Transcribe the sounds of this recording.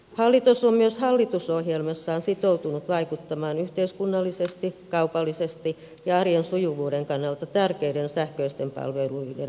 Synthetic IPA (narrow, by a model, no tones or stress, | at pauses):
hɑlːit̪usommyøshɑlːit̪usohjelmɑsːɑːnsit̪out̪unut̪ʋɑikut̪ːɑmɑːnyht̪eiskunːɑlːisest̪ikɑupɑlːisest̪i | jɑɑrjensujuʋuːdeŋkɑnːɑlt̪ɑt̪ærkeidensæhkøist̪empɑ̰lʋeluidḛn